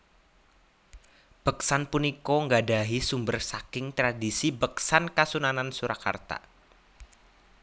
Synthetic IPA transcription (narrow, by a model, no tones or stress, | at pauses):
b̥əksanpunikɔŋɡadaɦisumbərsakɪŋt̪ɾadisibəksankasunanansuɾaka̰rt̪a̰